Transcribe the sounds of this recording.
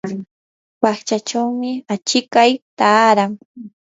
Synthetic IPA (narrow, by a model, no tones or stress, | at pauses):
waχt͡ʃat͡ʃawmɪat͡ʃɪkajt̪aːɾaŋ